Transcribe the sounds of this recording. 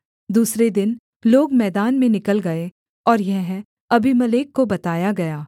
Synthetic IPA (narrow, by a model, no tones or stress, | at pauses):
d̪uːsɾed̪ɪn | loːɡmɛːd̪aːnmẽnɪkəlɡɐe | ɔːɾjɐɦɦɛ̃ | ɐbʱimɐleːkːobɐt̪aːjaɡɐjaː